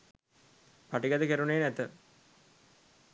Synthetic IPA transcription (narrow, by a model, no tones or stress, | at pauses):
paʈiɡɐd̪əkeɾuneːnɛt̪ə